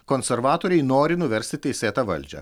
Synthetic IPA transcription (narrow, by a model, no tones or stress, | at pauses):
kɔːnʲsʲɛɾʋɑːt̪oːɾʲɛɪnoːɾʲɪnʊʋʲɛɾʲsʲt̪ʲɪt̪ʲɛɪsʲeːt̪ɐʋɐ̰lʲd͡ʒʲɛ̰